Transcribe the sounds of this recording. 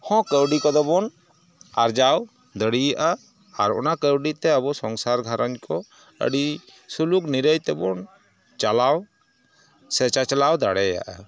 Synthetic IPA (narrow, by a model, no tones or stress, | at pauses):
hɔ̃kəwɖikɔd̪ɔbɔn | aɾd͡ʒaw | d̪əɽijaʔaː | ɾɔ̰nakəwɖit̪ɛəbɔsɔŋsaɾɡʱaɾaɲkʰɔ | ə̰ɖi | sulukniɾəjt̪ɛbɔn | t͡ʃalaw | sɛt͡ʃat͡ʃalawd̪aɽɛja̰ʔa̰